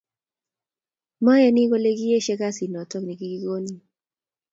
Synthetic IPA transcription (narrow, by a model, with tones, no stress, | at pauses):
mɔ˦jɛ˦ni˦ko˦le˦ɡi˦e˦ʃɛ˦ka˦si˨nɔ˨tɔ˦kni˨ɡi˦ɡi˦ɡo˦ni˨